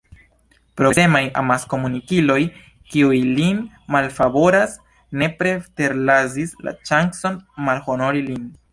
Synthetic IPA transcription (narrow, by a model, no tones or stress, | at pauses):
pɾo̞e̞maja̰masko̞munikilo̞j | kiujlin | malfabo̞ɾas | ne̞pɾe̞te̞ɾlazisla̰t͡ʃaŋkso̞nmalho̞no̞ɾilin